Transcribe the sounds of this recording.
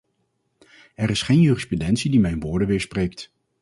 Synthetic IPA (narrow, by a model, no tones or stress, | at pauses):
ɛɾɪsχeːjnjyːrɪsprudɛntsidimɛjnʋʊːɹdəʋɪːɹsprejkt